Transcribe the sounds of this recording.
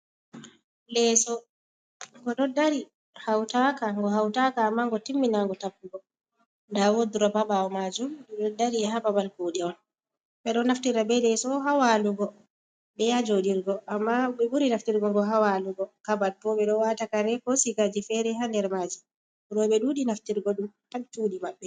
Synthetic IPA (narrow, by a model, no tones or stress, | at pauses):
lɛsɔ | ŋɡɔɗɔdaɾi | hawtakaŋɡɔɦawtakaːmːaŋɡɔtimːinaŋɡɔtapːuɡɔ | ndawoduɾɔbabaɔmad͡ʒumɗɛɗɔdaɾiɛhababalkoɗɛɔn | ɓɛɗɔnaftiɾabɛlɛsɔɦawaluɡɔ | ɓɛjad͡ʒoɗiɾɡɔʔamːaɓɛɓuɾinaftiɾɡɔŋɡɔɦawaluɡɔkabal̚pɔɓɛɗɔwatakaɾɛkɔsikad͡ʒifɛɾɛɦandɛɾmad͡ʒi | uɾɔɓɛɗuːɗinaftiɾɡɔɗumtaɓt͡ʃuːɗimaɓːɛ